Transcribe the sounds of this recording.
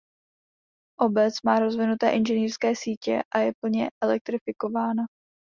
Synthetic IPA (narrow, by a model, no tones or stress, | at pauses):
ʔo̞bɛt͡smaːɾo̞zvɪnut̪ɛ̰ːʔɪnʒɛniːrskɛːsiːcɛ̰ʔajɛpl̩ɲɛʔɛlɛk̚t̪ɾɪfɪko̞vaːna